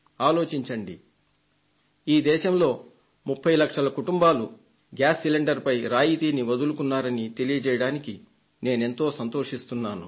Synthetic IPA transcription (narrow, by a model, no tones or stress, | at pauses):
aːlo̞ːt͡ʃiɲt͡ʃɐɳɖi | iːd̪ɛːʃɐmlo̞ː | mupʰːɐjlɐkʂɐlɐkuʈumbaːlu | ɡaːsːileɳɖɐɾpɐjɾaːjit̪iːniʋɐd̪ulukunːaːɾɐnit̪e̞lijɐt͡ʃɛːjɐɽaːniki | ne̞ːne̞nt̪o̞ːsɐnt̪o̞ːʂist̪unːaːnu